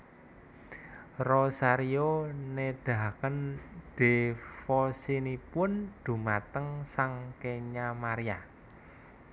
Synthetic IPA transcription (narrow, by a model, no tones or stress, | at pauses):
rosaɾioneɖ̥a̤kənɖ̥e̤fɔsinipʊnd̪̥ṳmat̪əŋsaŋkeɲamaɾija